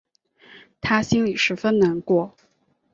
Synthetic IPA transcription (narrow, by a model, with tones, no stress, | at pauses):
t̪ʰa˥ɕi˥nli˨˩ʂɻ̩˧˥fə˥nna˧˥nkwɔ˥˩